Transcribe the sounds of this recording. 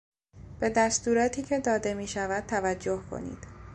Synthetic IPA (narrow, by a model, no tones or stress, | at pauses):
b̥e̞d̪æst̪uːɾɒːt̪ʰiːcʰe̞d̪ɒːd̪e̞miːʃævæd̪̚t̪ʰævæd͡ʒːo̞hkʰo̰nḭːd̪̥